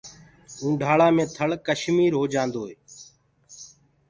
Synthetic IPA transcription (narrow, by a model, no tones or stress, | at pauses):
ũːɖʱaːɭaːmẽːt̪ʰəɭkəʃmiːɾɦoːd͡ʒãːnd̪oːeː